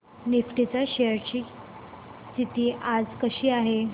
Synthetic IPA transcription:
nifʈit͡saɕeɾt͡ɕiː | st̪ʰit̪iːʔad͡zkəɕiːaɦe

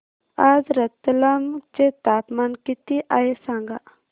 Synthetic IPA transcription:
ad͡zɾət̪ːlamt͡set̪apmankit̪iʔajesaŋɡa

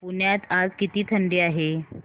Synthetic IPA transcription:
puɳjat̪ad͡zkit̪iːt̪ʰəɳɖiːaɦe

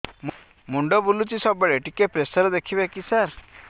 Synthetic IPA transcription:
m | muɳɖɔbulut͡ʃisɔbeɭeʈikepɾesɔɾɔd̪ekʰibakisaɾ

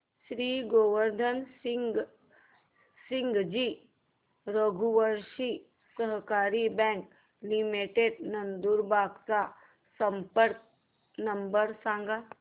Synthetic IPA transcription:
ʃɾiːɡoʋəɾd̪ʱənsiŋɡ | siŋɡd͡ʒiː | ɾəɡʱuʋəɾʃi | səɦkaɾibɛ̃ŋk | limiʈeɖnənd̪uɾbʱaɡt͡sa | səmpəɾk̚ | nəmbəɾsãŋɡa

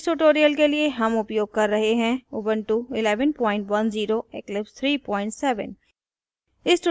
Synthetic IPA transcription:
sʈuʈoːɾijəlkelieɦɐmʊpjoːɡ̚kɐɾːɐɦeɦɛ̃ʊbəɳʈuɪlɛːʋənpɔ̃ːɪ̃ɳʈʋɐnziːɾoeklɪpst̪ʰɾiːpɔ̃ːɪ̃ɳʈsɛːʋə̰n | ɪsʈ

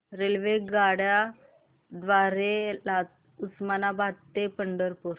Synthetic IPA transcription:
ɾelʋeɡaɽja | d̪ʋaɾelat̪ | usmanabʱat̪ːepəɳɖəɾpuɾ

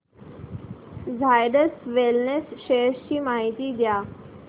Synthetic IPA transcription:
zajɖəsʋelnesʃest͡ɕiːmaɦit̪id̪jaː

